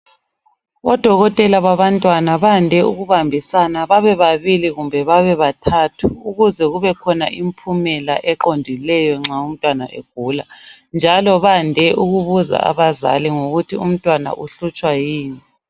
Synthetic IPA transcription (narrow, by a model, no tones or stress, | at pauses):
ɔd̥ʱɔɣɔtʼɛlaβaβantʼwanaβandʱɛuɣuβambʱisanaβaβɛβaβiliɣumbʱɛβaβɛβatʰatʰuuɣuzɛɣuβɛkʰɔna̰ʔimpʰumɛla̰ʔɛǃondʱilɛjɔŋ͡ǁaum̩tʼwana̰ʔḛɡ̥̚ʱuːla | nd͡ʒʱalɔβandʱɛʔuɣuβuza̰a̰βaza̰liŋoɣutʰium̩tʼwana̰ʔuɬut͡ʃʼwajiːni